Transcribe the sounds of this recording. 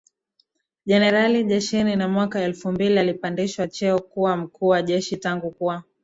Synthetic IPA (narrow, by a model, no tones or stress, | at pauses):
ʄɛnɛɾaliʄɛʃininamwakaɛlfumbilialipandiʃwat͡ʃɛɔkuwam̩kuːwaʄɛʃitaŋɡukua